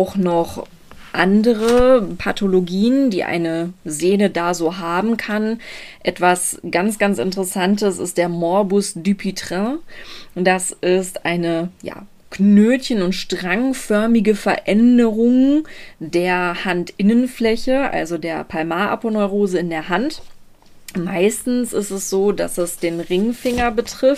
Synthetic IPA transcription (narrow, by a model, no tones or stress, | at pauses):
aʊxnɔχ | ʔandəʁəpʰatʰoloɡiːəndḭːʔa̰ɪnəzeːnədaːzoːɦaːbm̩kʰanʔɛtv̥asɡ̥ansɡ̥ant͡sɪ̰ntəʁəsantəsɪ̰st̚d̥eːɐmɔɐbʊsdypʰitʁ̥ɛ̃ | d̥asʔɪstʔaɪnəja̰ː | kʰnøːtçənʊntʃtʁ̥aŋfœɐmɪɡəfɛɐʔɛndəʁʊŋdeːɐhantʔɪnənflɛçəʔa̰lzodeːɐpʰalmaːʔa̰ponɔʏʁoːzəɪndeːɐɦant | maɪstn̩sɪstɛsz̥oːda̰sɛsd̥eːnʁɪŋfɪŋɐbətʁ̥ɪf